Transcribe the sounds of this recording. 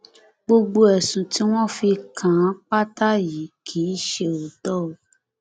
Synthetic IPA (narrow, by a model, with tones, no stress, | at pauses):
ɡ͡bo˧ɡ͡bo˧ɛ˨sũ˨ti˨˦w̃ɔ̃˦fi˧kʰã˨˦k͡pa˦ta˦ji˨˦kʰiː˨˦ʃe˧o˨tɔ˦o˨